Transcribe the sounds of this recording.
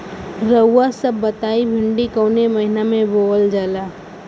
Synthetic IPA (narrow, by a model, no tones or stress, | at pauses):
ɾəwːasəbːɐt̪aːibʱɪɳɖikoːnemɐɦɪnamẽboːəld͡ʒaːlaː